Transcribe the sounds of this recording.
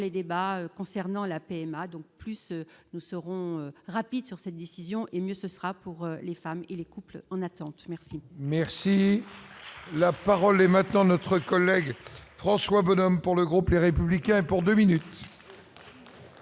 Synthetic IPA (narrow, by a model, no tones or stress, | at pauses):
led̪ebaøkɔ̃sɛʁnɑ̃lapeɛmad̪ɔ̃k̚plysnusəʁɔ̃øʁapid̪syʁsɛt̪̚d̪esizjɔ̃ʔemjøsəsʁapuʁølefamelekuplɑ̃nat̪ɑ̃t̪mɛʁsimɛʁsi | lapaʁɔlɛmɛ̃t̪nɑ̃nɔt̪χəkɔlːɛɡfχɑ̃swabɔnɔmpuʁləɡʁupleʁepyblikʲɛ̃epuʁd̪øminyt̪